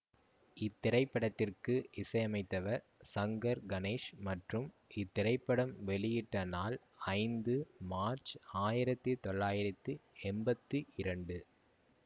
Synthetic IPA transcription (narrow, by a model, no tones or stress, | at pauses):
ɪt̪ːɪɾɐɪpːɐɽɐt̪ːɪrkɯʔɪsɐɪɐmɐɪt̪ːɐʋɐɾ | sɐŋɡɐɾɡɐneːʂmɐʈrɯm | ɪt̪ːɪɾɐɪpːɐɽɐmʋɛɭɪjɪʈːɐnaːl | ɐɪnd̪ɯmaːɾt͡ʃaːjɪɾɐt̪ːɯt̪ɔɭːaːjɪɾɐt̪ːɯɛmbɐt̪ːɯʔɪɾɐɳɖɯ